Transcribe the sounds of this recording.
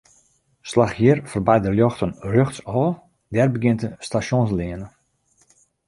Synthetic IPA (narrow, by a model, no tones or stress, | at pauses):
slaxjiərfərbajdəljɔxtənrøxsɔːl | dɛrbəɡɪntəstasjonsliənə